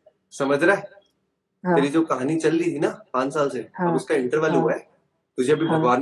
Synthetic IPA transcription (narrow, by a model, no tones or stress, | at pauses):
sɐməd͡ʒɾaɦɛ | meːɾid͡ʒoːkɐɦaːnit͡ʃɐlːit̪ʰinaːpãːt͡ʃsaːlseɔbʊskaɪ̃ɳʈəɾʋəlɦuaɦɛː | t̪ʊd͡ʒʱeɐbʱibʱɐɡʋaːɾn